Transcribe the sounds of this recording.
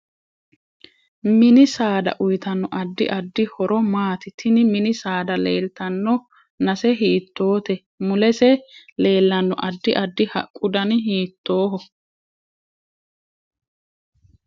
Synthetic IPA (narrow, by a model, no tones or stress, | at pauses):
mɪnɪsaːd̪ɐ̰ʔʊjt̪ɐnːɔʔɐd̪ːɪʔɐd̪ːɪhɔɾɔmaːt̪ɪt̪ʰːɪnɪmɪnɪsaːd̪ɐleːlt̪ɐnːɔ | nɐsɛɦiːt̪ːo̞ːt̪ɛ | mʊlɛsɛle̞ːlːɐnːɔ̰ʔɐd̪ːɪʔɐd̪ːɪhɐ̰kʼːʊd̪ɐnɦiːt̪ːo̞ːɦɔ